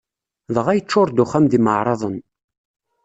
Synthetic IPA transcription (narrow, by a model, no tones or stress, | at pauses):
ðʁæjət͡ʃːʊɾd̪ʊχæmðiməʕɾˤɑðˤən